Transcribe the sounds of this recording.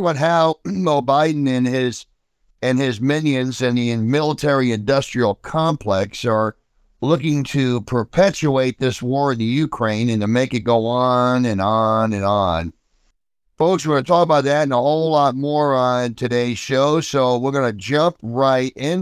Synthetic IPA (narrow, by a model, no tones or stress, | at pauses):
wʌ̃nɦaʊmoʊbaɪdⁿn̩ɨ̃nɪz | ɪ̃nɪzmɪ̃njɨ̃nzɨ̃nðiɨ̃mɪlˠətʰɛɹiɨ̃ndʌstɹ̥il̩ˠkʰɑ̃mpʰl̥ɛksə˞ | lʊkɪ̃ŋtʰɨpʰə˞pʰɛt͡ʃueɪt̪̚ðɪswɔɹɨ̃nðɨjʉkʰɹ̥ẽɪ̃nɨ̃ntʰɨmeɪkɨt̚ɡ̥oʊənɨ̃nənɨ̃nə̃n | foʊkswə̃nɨtʰɔkəbaʊt̪̚ðɨɾ̃nəhoʊllɔt̚mɔɹə̃ntʰɨɾeɪz̥ʃoʊsoʊwɪɹɡʌnɨd͡ʒʌ̃mp̚ɹaɪɾɪ̃n